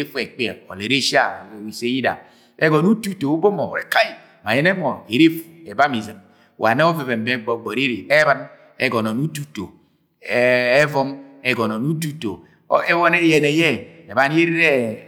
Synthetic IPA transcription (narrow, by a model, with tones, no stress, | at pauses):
e˦fu˦ɛ˨k͡pɛ˨ɔ̰˨le˨ɾe˦ʃi˦a˦˨wi˨se˦ji˦da̰˨ | ɛ˦ɡɔ˨nu˦tu˦to˨u˦bo˦mɔ̰˨ɾɛ˨ka˨ji˦ | ma˨jɛ˦ne˦mɔ˨e˨ɾe˦fu˨ɛ˨ba˦mi˨zi˨m˨ | wʔa̰˨nɛ˦ɔ˦ve˨vɛ˨m˨bɛ˦ɡ͡bɔ˨ɡ͡bɔ˨ɾe˦ɾe˨ɛ˦βa˦n | ɛ̰˦ɡɔ˨nɔ˨nu˦tu˦to̰˨˦ | vɔ˦mɛ˨ɡɔ˨nɔ˨nu˦t̬u˦to̰˨˦ | ɛ˦wɔ˦nɛ˦jɛ˨nɛ˨jɛ˦ɛ˨βa˦n˦e˦ɾi˦ɾɛ˦